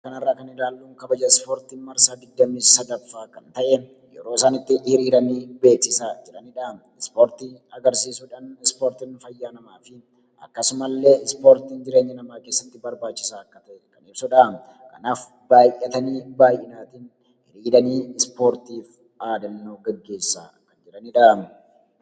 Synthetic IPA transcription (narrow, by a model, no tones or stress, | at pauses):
kɐnɐrːaːkɐnɪlaːlːuːŋkɐbɐd͡ʒɐspoːɾt̪iːnmɐɾsaːd̪ɪɡ̚d̪ːɐmiːsɐd̪ɐfːaːkɐnt̪ɐʔɛ | jɛ̰ɾo̞ːsaːnɪt̪ːɪhɪɾiːɾɐniːbe̞ːksɪsaːd͡ʒɛᶑɐniᶑɐ | ɪspoːɾt̪iɐɡɐɾsiːsʊᶑaːnɪspoːɾt̪iːnfɐjːaːnɐmaːfɪ | ɐ̰kːɐsʊmɐlːe̞ːɪspo̞ːɾt̪iːnd͡ʒɪɾe̞ːɲːɐnɐmaːke̞ːsːɐt̪ːɪbɐɾbaːt͡ʃːɪsaːɐkːɐt̪ɐkɐnɪbsʊᶑaːm | kɐ̰naːf | baːjʔɛt̪ɐniːbaːjʔɪnaːt̪in | hɪɾiːd̪ɐniːɪspo̞ːɾt̪iːf | aːd̪ɐnːoːɡɐɡːe̞ːsːa̰ːkɐnd͡ʒɪɾɐniᶑamɛ